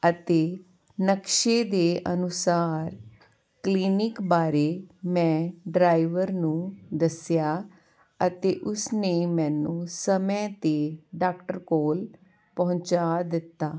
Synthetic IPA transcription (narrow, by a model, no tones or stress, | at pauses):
ət̪eː | nəkʃeːd̪eːʔənʊsaːɾ | kliːnɪkbaːɾeːmɛ̃ːɖɾaːiʋəɾnũːd̪əsjaː | ət̪eːʔʊsneːmɛ̃ːnũːsəmə̃t̪eːɖaːkʈəɾkoːl | pəɦʊ̃t͡ʃaːd̪ɪt̪ːaː